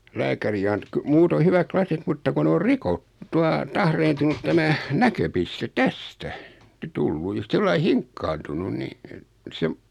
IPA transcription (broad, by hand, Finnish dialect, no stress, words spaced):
læːkæri ɑnt ky muːtoi hyʋæk klɑsit mutːɑ ku n or rikot tuɑ tɑhreːntunut tæmæ nækøpiste tæstæ tulːu jɑ silːɑi hiŋkːɑːntunun ni et seʋ